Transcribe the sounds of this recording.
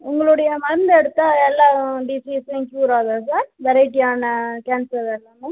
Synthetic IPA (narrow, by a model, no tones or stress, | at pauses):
ʊŋɡɐɭʊɽɐjɐmɐɾɯnd̪ɛɽɯt̪ːaːɛlːãːɖiːsisɪ̃ŋkjuːɾaːðɐs̬aːɾbɛɾɐɪʈːiaːnɐkaːnsɐɾelːɐnɯ